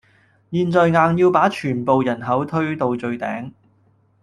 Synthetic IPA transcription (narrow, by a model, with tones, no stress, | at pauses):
jiː˧nt͡sɔː˨jŋaː˨˧ŋjiː˧wpaː˨˥t͡ʃʰyː˨˩npo˨˧wjɐ˨˩nɦɐ˨˥wt̪ʰɵ˥ɥt̪o˨˧wt͡sɵ˨˧ɥt̪ɛ̰ː˨˥ŋ